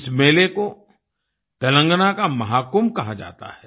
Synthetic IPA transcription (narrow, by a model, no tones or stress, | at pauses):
smeːleko | t̪ɐlə̃ŋɡnakamɐɦaːkumkɐɦad͡ʒa̰ːt̪a̰ɦɛ